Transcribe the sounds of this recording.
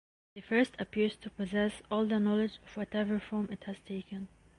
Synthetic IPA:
ðɨfɜ˞stʰəpɪɹz̥tʰupʰɔzɛsɔlˠd̪ənɔlɪd͡ʒɔv̥wɔtɛvə˞fɔɹmɪthæz̥tʰeɪkə̃n

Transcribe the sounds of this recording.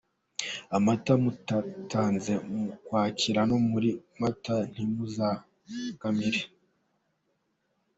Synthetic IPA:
amatamutataːnze̞mukwaːcʰiɾanomuɾimatan̥imuza | kamiɾe

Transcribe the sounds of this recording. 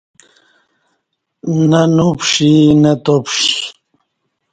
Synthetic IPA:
nanupʂinat̪opʂi

